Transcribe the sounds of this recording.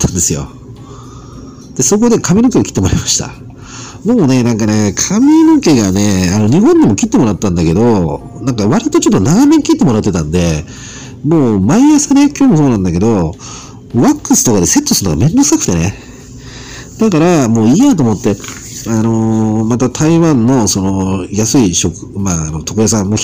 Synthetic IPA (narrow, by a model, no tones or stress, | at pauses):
t̪ːãnd̪e̞sɨjo̞̰ | d̪̥e̞so̞k̬od̪e̞kʰamenoke̞ɡakʲi̥t̪ːemo̞ɾaimaɕi̥t̪a̰ | d̪emo̞ne̞nãŋkane̞kʰamenoke̞ɡane̞ano̞ɲ̟iɦõnd̪emo̞kʲit̪ːe̞mo̞ɾat̪ːãnd̪ake̞d̪o̞ | nãŋkaβaɾʲit̪o̞t͡ɕo̞t̪ːo̞naɡameɲ̟ikʲit̪ːe̞mo̞ɾat̪ːe̞t̪ãnd̪e̞ | moːmaijasanekʲoːmo̞soːnãnd̪ake̞d̪o̞ | βakːɯsɨ̥t̪o̞kad̪e̞se̞t̪ːosɨɾɯnoɡamẽ̞nd̪o̞sɨ̥kakʰɯ̥t̪e̞ne̞̰ | d̪akaɾamo̞ːiːnat̪o̞ːmo̞t̪ːe̞ano̞mat̪at̪ʰaiβãnːo̞so̞no̞jasɨiɕo̞kɯ̥maːno̞t̪ʰo̞kɯ̟jas̬ãmo